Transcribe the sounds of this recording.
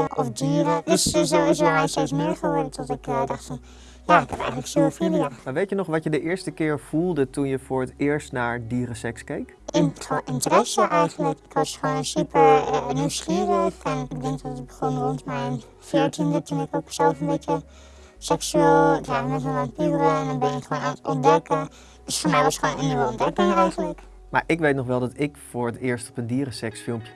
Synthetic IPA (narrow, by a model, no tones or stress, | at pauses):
ʔɔ̰fdyːɾədøszoːɪsʋɛmɛjnstesmɪəɹχəʋɔːɹdətʰɔtɪkədɑχtfɔn | jaːɪkʰɛpɛ̰jχəntləksyəfiliəmaɹʋejtjənɔχʋɑtjədəʔɪːɹstəkɪːɹv̥ulˠdətunjəfʊːɹətɪːɹstnaːɹdiːɾəsɛkskejk | ʔɪnonʔɪntərɛsəʔɛjɣəntləkɪkʰʋɑsχoːnsypəɹəniwsχiːəɾəxɛnɪɡbədɛŋktɔttɪk̚bəχonrɔntmɛjn | fɪəɹtʰindətunɪkoksɛlˠfənbɪtjə | sɛksyeːlˠɪklaːənɛtəanpyːɾəndɔnbɪnɪkχʋoːnatɔ̰ndɛkə | d̥øsfɔːɹmɛjʋɑstχʋonənːiwəɔmdɛkɪŋɛjɣənlək | ma̰ːɹʔɪkʋejtnɔχʋɛlˠdɔtɪkfʊːɹətɪːɹstɔpəndiːrəsɛksfɪlˠmpjə